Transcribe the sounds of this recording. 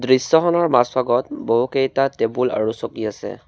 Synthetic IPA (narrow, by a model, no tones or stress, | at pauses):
dɹisːɔxɔnɔɹmaswaɡɔtboɦukejtatebula̰ɹusokiasɛ̰